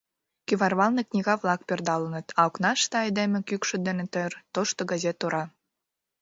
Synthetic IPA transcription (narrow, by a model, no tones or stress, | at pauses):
kyβɑrβɑlneknʲiɣɑβlɑk̚perd̪ɑlənə̆t̪ɑoknɑʃt̪ɑed̪emĕkykʃø̆d̪enet̪ert̪oʃt̪oɡɑzet̪ːoɾɑ